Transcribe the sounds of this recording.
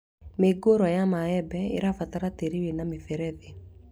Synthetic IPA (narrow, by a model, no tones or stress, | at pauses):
meɡoɾwɔjamaɛbɛḛɾafataɾateɾiwenamefɛɾɛðe